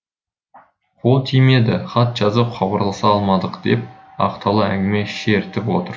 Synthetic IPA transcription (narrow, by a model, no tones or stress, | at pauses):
qʰo̞lˠt̪ʰijme̞d̪ɪχɑt̪ʒ̥ɑzəpχʰɑbɑɾlˠɑsɑɑlˠmɑd̪əqd̪̥e̞p̚ | ɑ̰qt̪ʰɑlˠəæŋɡʲɪme̞ʃeɾt̪ɪpwo̞t̪əɾ